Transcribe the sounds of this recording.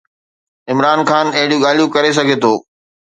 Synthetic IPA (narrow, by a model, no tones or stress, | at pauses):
ɪmɾaːnxʰaːnɐɦɪɽijũɠaːl̤ijũkɐɾes̬ɐɡʱet̪ʰoː